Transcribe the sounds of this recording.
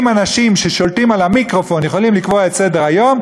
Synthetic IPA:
manaʃimʃeʃo̞lt̪imalamikʁo̞fo̞njeχo̞limlikvoetsedeʁajo̞m

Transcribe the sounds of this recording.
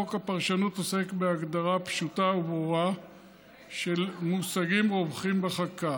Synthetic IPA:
okhapaʁʃanutose̞kbeaɡd̪aʁapʃutaubʁuʁa | ʃe̞lmusaɡimʁovχimbeχaka

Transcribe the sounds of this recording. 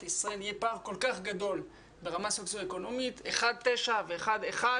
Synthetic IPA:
isʁaelijepaːʁko̞lkaχɡad̪o̞l | be̞ʁamasoksoeko̞no̞mit̪eχad̪̚t̪e̞ʃave̞ːχad̪eχa

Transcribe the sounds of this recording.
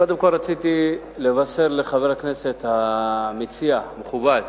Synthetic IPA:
kod̪emko̞lʁat͡sit̪i | levase̞ʁleχaveʁhaknese̞t̪hamit͡siameχubad̪

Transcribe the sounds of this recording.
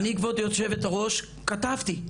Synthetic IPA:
nikvot̪joʃe̞vet̪aʁo̞ʃ | katavt̪i

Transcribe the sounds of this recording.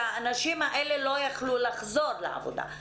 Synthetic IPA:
aːnaʃimaʔelelo̞jaχlulaχzo̞ɾlea̰vo̰d̪a̰

